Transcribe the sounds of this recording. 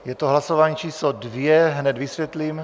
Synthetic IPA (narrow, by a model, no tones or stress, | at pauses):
jɛt̪oɦlasovaːɲiːt͡ʃiːslodvjɛɦnɛd̪visvjɛt̪lim